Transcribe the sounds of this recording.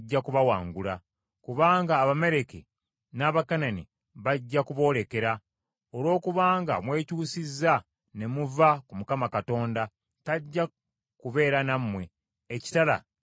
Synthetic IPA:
ɟːakuβawaːŋɡula | kuβaːŋɡaːβame̞ɾe̞ke | naːβakanani | βaɟːakuβo̞ːle̞ke̞ɾa | oɾwo̞ːkuβaːŋɡa̰mwe̞ːcuːsizːa | ne̞muvakumukamakato̞ːnda | taɟːa | kuβe̞ːɾanamːwe̞ː | ci̥tala̰

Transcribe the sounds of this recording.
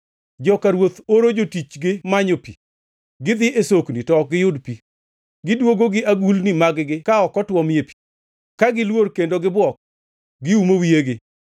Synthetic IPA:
d͡ʒɔkaɾwot̪oɾod͡ʒotit͡ʃɡɪmaɲopi | ɡɪd̪ɪʔesoknitɔk̚ɡɪjʊdpi | ɡɪdwoɡoɡɪʔaɡulnimaɡɡɪkaɔkɔtwɔmepi̥ | kaɡɪlworkendoɡɪbwɔk̚ | ɡɪumowieɡɪ

